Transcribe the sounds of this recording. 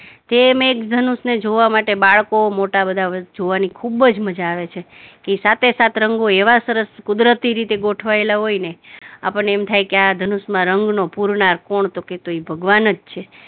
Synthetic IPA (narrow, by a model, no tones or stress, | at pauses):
t̪emekd̪ʱənusned͡ʒoʋamaʈebaɭkomoʈabəd̪ʱad͡ʒoʋanikʰubd͡ʒməd͡ʒaːʋet͡ʃʰe | kesat̪ʰesat̪ʰɾəŋɡoeʋasəɾəskʊd̪ɾət̪iɾit̪eɡoʈʰʋaelaɦoinea̰pəɳeemt̪ʰajkead̪ʱənusmãɾəŋɡnopuɾnaɾkoɳt̪oket̪oibʱəɡʋanəd͡ʒt͡ʃʰe